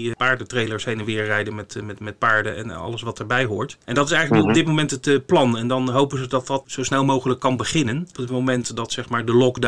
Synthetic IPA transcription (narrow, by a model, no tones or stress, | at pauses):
paːɹdətrejləɹshejnənʋɪːɹrɛjdənmɛtmɛtmɛt̚paːɹdəɛ̰nɑ̰lˠəsʋɑtəɹbɛjɦʊːɹtʔɛndɑtɪsɛjχələkiɔb̚dɪt̚mowmɛntətplɑnɛndɑnɦowpənzədɑtdɑtsowsnɛlˠmowχələkːɑnbəχɪnənɔpətmowmɛntdɑtsɛχmaːɹdəlɔkd